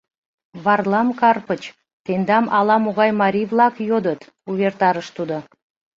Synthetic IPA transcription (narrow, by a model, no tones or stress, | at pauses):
vɑrlˠɑmkɑrpət͡ɕ | t̪end̪ɑmʔɑlˠɑmoɣɑjmɑɾʲivlˠɑkjod̪ət̪ | uβert̪ɑɾəʃt̪ud̪ə̆